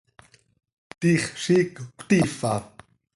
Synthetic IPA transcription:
t̪iχʃikkʷt̪ifa

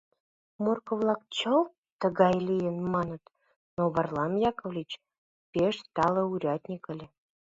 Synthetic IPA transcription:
morkə̆vlˠɑk̚t͡ɕəlˠ | t̪ə̆ɣɑjlʲijənmɑnə̆t̪ | noβərlˠɑmjɑkŏvlʲit͡ɕ | pʲeʃst̪ɑlˠə̆uɾʲɑt̪ʲnʲikə̆lʲe

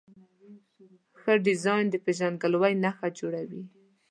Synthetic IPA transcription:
xəɖɪzɑjnd̪əpeʒanɡəlwajnaxad͡ʒoɽawi

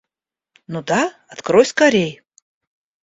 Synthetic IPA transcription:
nud̪aɐt̪kɾojʲskɐɾʲej

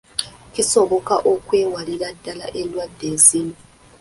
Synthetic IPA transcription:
kʰʼisɔβɔkʼa̰ʔokʰʼwɛwalilad̥ʱala̰ʔelwad̥ʱezini

